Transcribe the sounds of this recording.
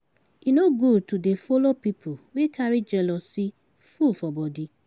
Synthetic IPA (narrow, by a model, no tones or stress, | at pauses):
inoɡudtudefolopipʰowekaɾid͡ʒɛlɔsi | fufɔbɔdi